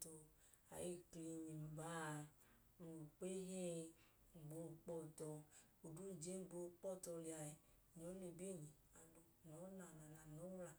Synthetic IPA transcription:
to˨ | a̰˨ji˦kle˨mi˨m˨ba˦˨ | nu˨k͡pe˦ɦe˦˨ | ɡ͡bo˧˦˨k͡pɔ˦˨tɔ˨ | o˨du˦˨d͡ʒe˦ɡ͡bo˦k͡pɔ˦˨tɔ˧li˨a˨e˨ | ɲɔ˨˦ne˨be˦˨ɲi˨ | a˨do˨nɔ˨˦na˨na˨la˨no˨˦la˨

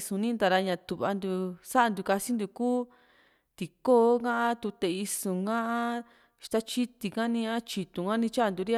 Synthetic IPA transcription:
sũ˧nĩ˦nd̪a˨˧ɾa˧ɲã˧t̪u˨βa̰˧nd̪u˧sa˦a˧d̪u˧ka˧si˦nd̪u˧kuː˦ | t̪i˨ko˦kã˦ʔã˦t̪u˧t̪e˧˨i˧sũ˨ɡã˦ʔã˦ | ʃt̪a˦t͡ʃi˦t̪i˧kã˦nĩ˧ã˦t͡ʃi˨t̪ũ˨ŋɡã˦nĩ˧t͡ʃa˦˧nd̪u˧ɾi˦

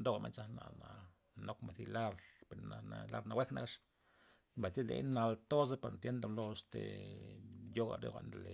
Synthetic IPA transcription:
nd̪o˦ɣama̰˦nt͡sa˦hna̰˧ʔna˨ | no˦kma˨θila˦ɾpeɾnanala̰˧ɾna˧we˦kna̰˦kaʂ | mba˨jt̪i˦lḛna˧lt̪o˦se˦paɾnt̪je˦nd̪alo˧st̪ḛ | jo˦ɣa̰ɾḛxʷa̰ʔnd̪ele

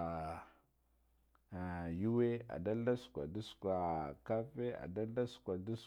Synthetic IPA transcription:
ju˦we˦a̰˨da˦lda˦skʷa̰˨du˦skwa˨ka˦fe˦a̰˨da˦lda˦skʷa˨du˦s

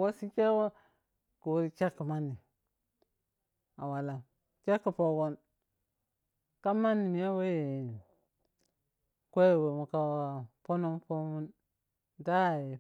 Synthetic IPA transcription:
wo˦si˦t͡ʃe˦wo˦ | ku˨wu˦ɾi˦t͡ʃa˦kːi˨ma˦nːi˨ | a˨wa˨la˨ | t͡ʃa˦kːi˨po˨ɡo˦n | ka˦ma˦nːi˨mi˨ja˦we˦je˨ | kʷe˦jwe˨mu˨ka˦a˨po˦no˦mpo˦mu˦n | da˦˨je˨

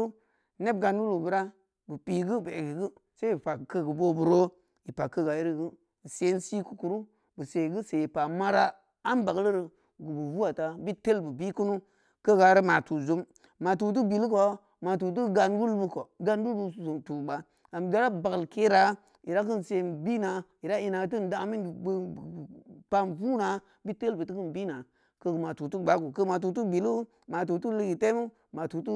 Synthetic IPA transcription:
ne˦b̚ɡa˨nwu˦lu˨bu˨˦ɾa˦ | bɨ˨pi˨ɡi˦be˨ɡi˨ɡi˦ | se˦i˨pa˨kə˦ɡu˨bo˦bu˨ɾo˦ | i˨pa˨kːə˦ɡa˨i˦ɾɡɨ˦˨ | se˦n˦si˦ku˦ku˨ɾu˦ | bɨ˨se˨ɡi˦se˨i˨pa˨ma˦ɾa˦ | a˦nba˨ɡlɾi˨ | ɡu˨bu˨vu˦a˨ta˦bi˦te˦lbɨ˨bi˦ku˦nu˦ | kə˦ɡa˨˦ɾi˦ma˨tu˨zu˦mː | a˨t̬u˨t̬u˦bi˨lko˨ | ma˨t̬u˨t̬u˦ɡa˨nwu˦lbu˧ko˨ɡa˧n˦wu˦lbu˧˨u˨tu˨ɓa˨ | ɡa˨m˨da˦ɾa˦ba˨klke˦ɾa˨˦ | ji˨ɾa˦k̬ɨ˦n˨se˨bi˦na˨i˨ɾa˦i˧na˨˦t̬ɨ˦n˨da˦mi˦˨˧ | pa˦nvu˦na˨˦ | bi˦te˦lbɨ˨tɨ˦kɨ˦nbi˦na˨ | kə˧˨ma˨tu˨tu˦˨ɡ͡ba˨˦ɡu˨kə˦ma˨t̬u˨t̬u˦bi˨lu˦ | ma˨t̬u˨tu˦li˦ɡi˨te˦mu˦ | ma˨tu˨t̬u˦

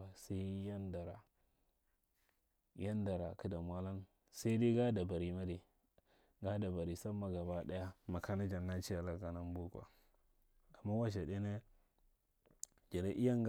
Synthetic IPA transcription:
a˨sa˦i˦ja˦nda˨ɾa̰˨ | ja˦nda˨ɾa̰˨ki˦da˨mʷ˨a˦la˦n | sa˦i˦di˦ɡa˦da˨ba˨ɾi˨ma˦di˨ | ɡa˦da˨ba˨ɾi˨sa˦mːa˦ɡa˨ba˦ɗa˦ja˦ma˨ka˦na˦d͡ʒa˨nːa˦t͡ʃi˦ja˨la˨ɡa˨na˦m˦bu˦kwa̰˨ | a˨mːa˦wa˦ʃ̬a˨de˦ne˦ | d͡ʒa˨ɾe˦ʔi˦ja˦ŋɡ

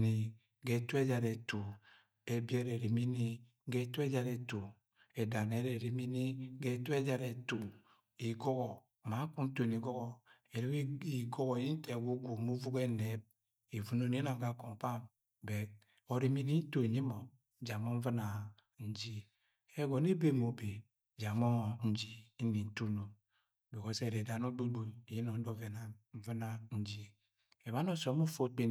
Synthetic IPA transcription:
ni˨ | ɡe˨tu˦e˦d͡ʒa˨ɾe˨to˨ | e˨bje˦ɾe˨ɾi˨mi˦ni˦ | ɡe˦to˦e˦d͡ʒa˨ɾe˨to˨ | e˨da˨ne˨˦ɾe˨ɾi˨mi˦ni˦ɡe˦tu˦e˦d͡ʒa˨ɾe˨to˨ | i˨ɡo˦ɣɔ˨ | ma˨˦ku˦n̩˦to˨ni˨ɡo˦ɣɔ˨ | e˨ɾi˦ki˨ɡo˦ɣo˨ji˦n̩˦te˨ɡu˦ɡʷu˨mu˦vu˦ke˦ne˨˦b̚ | e˨vu˨no˦ne˦na˨ŋka˨ko˨ŋ̩˨pa˦ | be˨t̚ | o˨ɾi˨˦mi˨ni˦n̩˦to˦˨ɲe˦mo˨ | d͡ʒa˨mo˦ɱ̩˦vɨ˦na˨ | n̩˦d͡ʒi˦ | e˦ɡo˨ne˦be˦mo˨be˨ | d͡ʒa˨mo˦ŋ˨n̩˦d͡ʒi˦n̩˦ni˨n̩˦tu˦no˨m˨ | bo˨ko˨se˦˨ɾe˨da˨no˦du˦bu˨ji˦no˨˦do˦ve˨na˨ɱ̩˦vɨ˦na˦n̩˦d͡ʒi˦ | e˨ba˦no˦so˨˦mu˦fo˦k͡pe˦

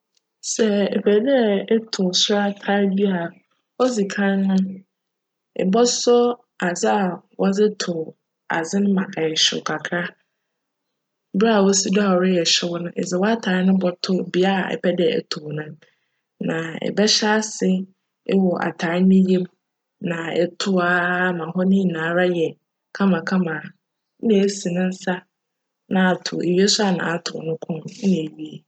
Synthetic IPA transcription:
sɛ˨ɛ˨pʰɛ˨dɛ˦˨ɛ˦tʰʊ˨sʊ˦ɾa˦tʰa˦ɾdi˦a˨ | ɔ˦zi˨kʰã˦n˦nʊ̃˦ | ɪ̰˨bɔ˦sɔ˦ | a˨zɪ˦a˨wɔ˦d͡zɪ˦tʰʊ˨ | a̰˨zɪ˦nʊ̃˦mã˨ʔa˨ɛ˨ɕɪ̰˨kʰa˨kʰɾa˦ | bɾa˦˨wo˦si˦dɔ˦a˨ɾɪ˦jɛ˨ɕɪ˦wɔ˦nʊ̃˦ʔɪ̰˨zɪ˨wɔ˦a˦tʰaː˨ɾɪ˦nʊ̃˦bɔ˦tʰʊ˦bi˨a˦˨ɛ̰˨pʰɛ˦dɪ˦ɛ˨ɛ̰˨tʰʊ˨nʊ̃˦ | nã˨ɛ̰˨bɛ˦ɕa˦sɪ˦ | ɪ˦wɔ˨ʔa̰˨tʰa˨ɾɪ˦nɪ̃˦je˦m | nã˨ɛ̰˨tʰʊ˦a˦mã˨ɦɔ˦nɪ̃˦˨nãː˨˦ɾa˦jɛ˨ | kʰã˦mã˨kʰã˦mã˨˦ | ne˨˦si˨nʊ̃˦n̩˦sa˦ | nã˨a˨tʰʊ̰˨e˨ɥi˦e˦sʊ˦a˨nã̰˨a˨tʰʊ̰˨nʊ̃˦kʰʊ̃˦n˦nɪ̃˨e˨ɥi˦e˨

